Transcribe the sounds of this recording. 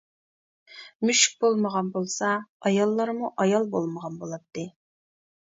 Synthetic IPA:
myʃk̚ʲbolˠməʁɑnbolˠsɑɑjɑlˠːɑɾmuʔɑjɑlˠbo̰lˠməʁɑnbolˠɑt̚t̪ʰːɨ

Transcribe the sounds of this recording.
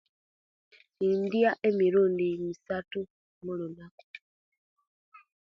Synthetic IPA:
indjaʔe̞miɾuːndimisatu | mulunaku̥

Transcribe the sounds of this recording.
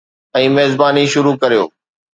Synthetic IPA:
ɛ̃ːmeɦːzbaːniʃʊɾukɐɾijo̰ː

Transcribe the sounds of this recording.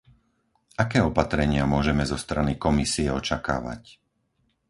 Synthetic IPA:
akɛːɔpat̪ɾɛɲɪamʊɔʒɛmɛzɔst̪ɾanikɔmisiɛɔt͡ʃaka̰ːʋa̰c

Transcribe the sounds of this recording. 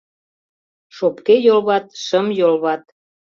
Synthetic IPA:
ʃopkejolβɑt̪̚ʃəmjolβɑt̪̚

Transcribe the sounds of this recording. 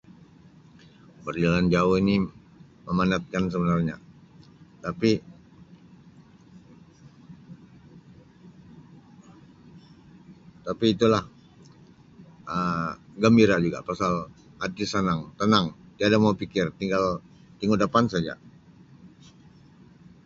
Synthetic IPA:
bərd͡ʒaland͡ʒauhini | məmanat̪̚kans̬əbənarɲa̰ | t̪api | t̪apiːt̪ulah | ʔəɡəmbiɾad͡ʒuɡa̰pasal | at̪isənaŋt̪ənaŋt̪iadamaupikɪrt̪iŋɡal | t̪iŋudəpansad͡ʒa̰

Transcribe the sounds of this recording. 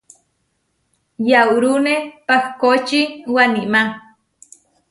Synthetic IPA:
jawɾunepahkot͡ʃiwanima

